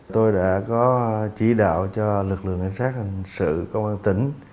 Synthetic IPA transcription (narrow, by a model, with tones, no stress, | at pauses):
t̪o˧jɗa̰ː˧˥kɔ˨˦t͡ɕi˧˩ɗa̰ː˧˨wt͡ɕɔ˧lɨ˨˩k̚lɨ̰˧˨əŋʔa˧˩jŋsaː˦˥k̚ha˨˩jŋsɨ̰˧˨kə˧wŋ͡mʔaː˧nt̪i˨˦ŋ̟